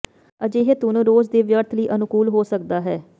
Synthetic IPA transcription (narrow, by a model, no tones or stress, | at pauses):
əd͡ʒeːɦet̪ʊnɾoːzd̪eːʋjəɾt̪ʰləiːʔənʊkuːlɦoːsək̚d̪aːɦɛː